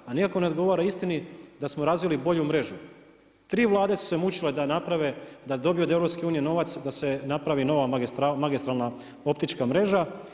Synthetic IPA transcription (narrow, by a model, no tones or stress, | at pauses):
anikako̞ne̞oɡo̞ʋoɾaist̪inid̪asmoɾazʋilibo̞ʎumɾe̞ʒu | t̪ɾiːʋlˠaːd̪e̞su̥se̞mut͡ɕiled̪anapɾaʋed̪ad̪o̞biod̪evɾo̞pske̞uːnijeno̞ʋat̪sd̪ase̞napɾaʋino̞ʋaaɡist̪ɾamaɡist̪ɾalˠna | o̞pt̪it͡ʃkamɾe̞ʒa